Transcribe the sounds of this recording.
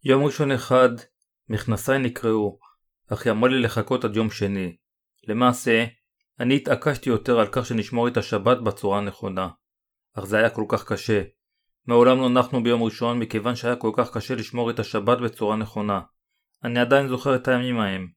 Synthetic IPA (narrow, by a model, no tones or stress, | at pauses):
jo̞mʁiʃo̞neχad̪ | miχnasajnikʁeu | aχjamolile̞χako̞t̪ad̪jo̞mʃe̞ni | le̞maːse̞ | aniːt̪akaʃt̪ijo̞t̪e̞ʁalkaχʃe̞niʃmoʁet̪aʃabat̪̚bet͡suʁaneχo̞na | ʔaχze̞ajako̞lkaχkaʃe̞ | meolamlonaχnubejo̞mʁiʃo̞nmike̞vanʃeajako̞lkaχkaʃe̞liʃmoʁet̪aʃabatbe̞t͡suʁane̞χo̞na | aniad̪ajinzo̞χe̞ʁet̪ajamimae̞m